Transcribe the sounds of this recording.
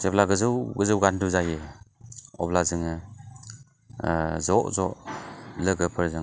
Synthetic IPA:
seplaɡɯzɯwɡɯzɯwɡanduzajɯ | ɔ̰blazɯŋɯ | zɔʔzɔ̰ʔlɯɡɯpʰɯɾzɯŋ

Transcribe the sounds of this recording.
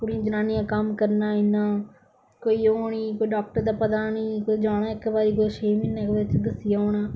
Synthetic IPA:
kʊɽiãːd͡ʒənaːnijãːkəmkəɾnaːɪnːãː | koːiːoːniːkoːiɖaːkʈəɾd̪aːpət̪aːniːkod͡ʒaːñãːɪkbaːɾiːkʊd̪ʃeːminːãːkbet͡ʃd̪əsɪjãːoːnãː

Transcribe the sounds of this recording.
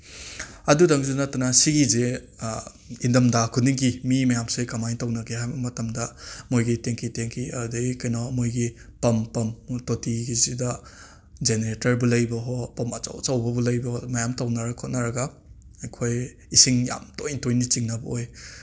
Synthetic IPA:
ɐdudaŋzunatɐnasiɡize | indɐmdakʰuniŋkimimɐjamsekamajntawnɐɡeɦajbɐmɐtɐmdɐmojɡiteŋkʰiteŋkʰiɐdeikɐjnɔmojɡi | pɐmpɐmtotiɡizidɐ | d͡ʒeneɾetɐɾbulɐjbɐɦɔpɐmɐt͡ʃa̰wt͡ʃawbɐbulɐjbɐhmɐjamtawnɐɾaɡkʰɔt̚nɐɾɐɡɐː | jkʰoj | isiŋja̰mtojntojnit͡ʃiŋnɐbɐoj

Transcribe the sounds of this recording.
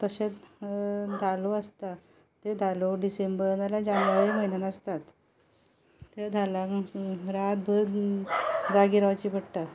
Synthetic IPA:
t̪əɕet͡s | d̪ʱaloəst̪a | t̪ed̪ʱaloɖisembəɾnalad͡ʑanjʋaɾiməɦinanəst̪at̪ | ed̪ʱalaɾat̪̚bʱə | d͡zaɡiɾat͡ɕiːpəɽʈa

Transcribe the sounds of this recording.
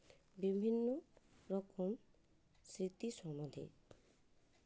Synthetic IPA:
bibʱinːɔɾɔkɔm | sɾit̪isɔmɔd̪ʱḛ

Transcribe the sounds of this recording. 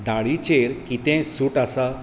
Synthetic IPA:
d̪aɭit͡ɕeɾkit̪ẽsuːʈasa

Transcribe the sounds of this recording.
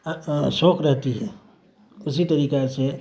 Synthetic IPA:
soːkɾɛɦt̪iɦɛː | ʊsit̪ɐɾiːkase

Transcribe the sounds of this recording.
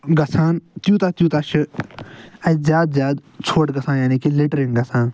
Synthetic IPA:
ɡɐsaːnt̪juːt̪aːt̪jũːt̪aːʃʰɨ | ɐzjaːd̪zjaːd̪t͡ʃʰoːʈɡɐsãːnjaːniːkileʈɾɪŋɡɐsaːn

